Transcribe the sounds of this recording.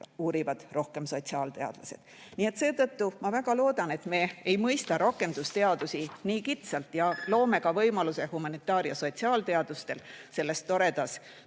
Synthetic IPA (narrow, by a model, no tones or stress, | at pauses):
uːɾivɑd̪̥ro̞hke̞mso̞t̪ʲsiɑːlt̪e̞ɑ̰d̪̥lɑse̞̰d̪̥ | nie̞t̪se̞ːt̪ɤt̪ːumɑvæɡɑlo̞ːd̪̥ɑnet̪me̞ːejmɤjst̪ɑɾokːˑe̞nd̪̥ust̪e̞ɑd̪̥usiniːkit̪sɑlt̪jɑlo̞ːme̞kɑvɤjmɑluse̞humɑnit̪ːˑɑːɾjɑso̞t̪ʲsiɑːlt̪e̞ɑd̪̥ust̪e̞lse̞lːe̞st̪ːo̞ɾe̞d̪̥ɑs